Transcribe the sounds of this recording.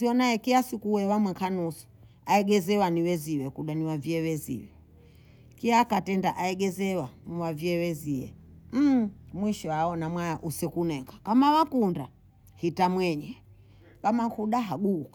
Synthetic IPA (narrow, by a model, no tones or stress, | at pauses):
iɔnaɛkiasikuwɛwamwɛŋkʰanusu̥ | aɛɡɛzɛwaniwɛziwɛkuɗaniwaviɛwɛzḭwɛ | kiakatɛndaʔaɛɡɛzɛwaniwaviɛwɛziɛ̰ | m̩mwiʃɔaɔnamwajaʔusɛkunɛŋɡakamawakunda | hitamwɛɲɛ | kamaŋkuɗaɦaɡukḁ